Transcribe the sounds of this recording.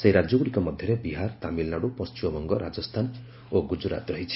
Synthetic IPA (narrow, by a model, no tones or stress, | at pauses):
sejɾad͡ʒɔɡuɽikɔmʌd̪ʱjʌɾebiɦaɾt̪amilnaɽupɔst͡ʃimɔbɔŋɡɔɾad͡ʒʌst̪ʰan | oɡud͡ʒuɾa̰t̪ɾʌɦit͡ʃʰi̥